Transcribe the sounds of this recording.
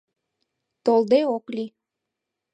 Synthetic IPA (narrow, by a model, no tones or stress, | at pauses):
t̪old̪eokli